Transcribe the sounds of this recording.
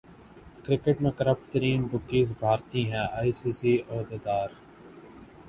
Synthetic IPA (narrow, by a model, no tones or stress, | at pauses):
kɾɪkeʈmẽːkəɾəp̚ʈt̪əɾiːnbʊkːiːsbʱaːɾt̪iːɦɛ̃ːaːiːsiːsiːɔːd̪eːd̪aːɾ